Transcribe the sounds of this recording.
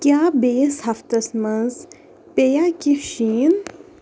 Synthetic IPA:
kʲjaːbeːsɦɐft̪ɐsmɐnz | pejakifʃiːn

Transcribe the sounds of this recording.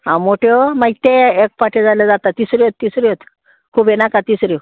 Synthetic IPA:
ɦãmoʈʰjɔmait̪eek̚paʈʰed͡zalad͡zat̪at̪isɾiɦot̪̚ːisɾiot̪ | kʰubenakat̪isɾi

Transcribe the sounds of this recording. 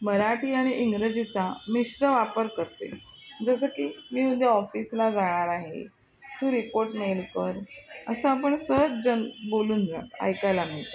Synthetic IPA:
məɾaʈʰiːaɽ̃iʔiŋɡɾəd͡ʑit͡samisɾəʋapəɾkəɾt̪ḛ | d͡zəs̬əːkiːmiːud̪ʱjeɔfiːslad͡zaɽ̃aɾaɦḛ | t̪uːɾipoɾʈmelkəɾəsəapəɳsəɦt͡sd͡ʑənboluːnd͡zʱa̰t̪a̰jkajlamiɭt̪a

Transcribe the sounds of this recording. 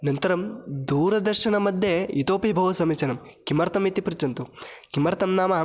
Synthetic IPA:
nɐnt̪ɐɾɐmd̪uːɾɐd̪ɐɾʃɐɳɐmɐd̪ʱjeit̪oːpibʱɐʋɐsɐmit͡ʃɐnɐmkimɐɾt̪ɐmit̪ipɾut͡ʃɐnt̪ukimɐɾt̪ɐmnaːma

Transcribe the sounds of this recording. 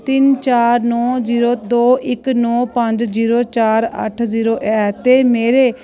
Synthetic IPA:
t̪ɪnt͡ʃaːɾnɔːziːɾoːd̪oːʔɪknɔːpəɲd͡ʒziːɾoːt͡ʃaːɾə̰ʈʰziːɾoːʔɛːt̪eːmeːɾeː

